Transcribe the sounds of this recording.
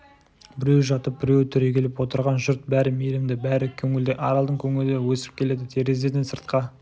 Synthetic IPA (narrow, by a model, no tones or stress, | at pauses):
bɪɾewʒɑt̪əp̚b̥ɪɾewt̪ʰʏɾe̞kʲʰe̞lɪpwo̞t̪əɾʁɑnʒʊɾt̪̚bæɾɪmejlɪmd̪ɪbæɾɪkʲʰɵŋɪld̪eʔɑɾɑlˠd̪əɴkʲʰɵŋɪld̪ewɵsɪ̥p̚kʲʰe̞le̞d̪ɪt̪ʰe̞ɾe̞zed̪ensəɾt̪̚qɑ